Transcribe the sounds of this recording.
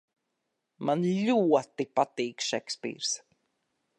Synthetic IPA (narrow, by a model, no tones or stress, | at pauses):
manʎuɔt̪ːipat̪iːkʃekspḭːɾs